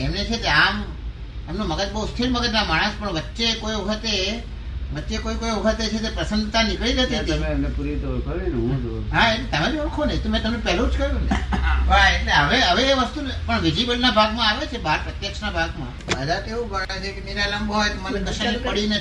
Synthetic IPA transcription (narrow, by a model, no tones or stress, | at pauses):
emnet͡ʃʰet̪eam | emnoməɡəd͡ʒ̪bəust̪ʰiɾməɡəd͡ʒ̪namaɽ̃əspəɳʋətːʃekojʋəkʰət̪e | ʋətːʃekoikojʋəkʰət̪et͡ʃʰet̪̬epɾəsənd̪t̪anikɭiɾet̪et̪iemnepuɾit̪oɭkʰəɾeneɦũd̪o̰ɦaent̪əmaɾioɽkʰonəĩt̪omɛ̃t̪əmnẽpɛɦlũt͡ʃkəɾjũneʋaelɦəʋeɦəʋeːʋəst̪unpəɳʋid͡ʒibəlnabʱaɡmãaʋet͡ʃʰebaɾpɾət̪jəkʃnabʱaɡmã̰ | əd̪ʱat̪eũɡəɽãt͡ʃʰekemiɾaləmbɦɔjt̪omanĩd̪əʃniipəɽine